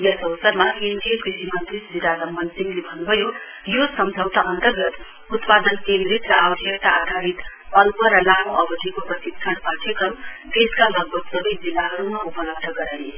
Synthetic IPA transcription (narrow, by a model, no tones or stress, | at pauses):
jʌsʌwsʌɾmakind̪ikisimʌnt̪ɾid͡ziɾalʌmːʌnsiŋlebʱʌnbʱʌjo | josʌmd͡ʒʱʌwt̪aʔʌnt̪ʌɾɡʌt̪ | ut̪pad̪ʌnkeŋɡɾit̪ɾʌawd̪ʱjekt̪aːd̪ʱaɾit̪ | ʌnpʌɾʌlamoʔʌbʌʈikopɾʌt̪isʰanpaʈʰekʌmb̪eskalʌɡ̚bʱʌk̪sʌbʌjzilːaɦʌɾumaupʌlʌb̚d̪ʱʌɡʌɾaj